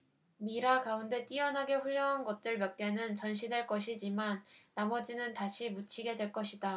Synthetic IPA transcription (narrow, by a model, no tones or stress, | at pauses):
miɾaɡaunde̞t͈iʌnɦaɡe̞ɸuʎːjʌŋɦanɡʌt̚t͈ɯɭmjʌk̚k͈e̞nɯnt͡ɕʌnɕ̬ʰidwe̞ɭk͈ʌɕʰid͡ʑimanːamʌd͡ʑinɯntaɕʰimut͡ɕʰiɡe̞dwe̞ɭk͈ʌɕʰida